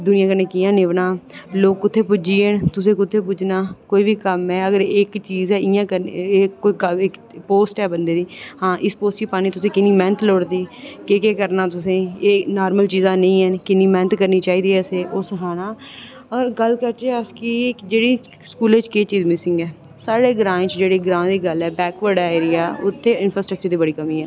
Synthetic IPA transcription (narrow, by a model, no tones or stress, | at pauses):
d̪ʊnɪ̃jãːkəɾnẽːkijãːneːʋnaːloːkːʊt̪ʰːeːpʊd͡ʒiːent̪ʊs̬ẽːkʊt̪ʰːeːp̬ʊt͡ʃnaːkoːiːbiːkəmɛ̃ːəɡəɾeːkt͡ʃiːzɛːɪjãːkəɾeːoːiːɪkpoːsʈɛːbənd̪eːd̪iːhãːʔɪspoːsʈkiːpaːniːt̪ʊsẽːkɪniːmɛ̃ːnt̪ʰloːɽd̪iːkekeːkəɾnaːt̪ʊsẽːeːnaːɾməlt͡ʃiːzãːnə̃ĩːɦɛnkɪniːmɛ̃ːnt̪kəɾniːt͡ʃaːiːd̪iːɛːseːʔʊsɦaːnaː | ɔːɾɡəlkəɾt͡ʃeəskiːkd͡ʒeːɽiː | skuːlet͡ʃkeːt͡ʃiːzmɪsɪ̃ŋɡɛː | saːɽeːɡɾãːẽt͡ʃd͡ʒeːɽeːɡɾãːd̪iːɡəlɛːbɛːkʋəɾɖaeːɾijaːʊt̪ʰːeːɪnfɾaːsʈɾək̚t͡ʃəɾd̪iːbəɽiːkəmiːɦɛː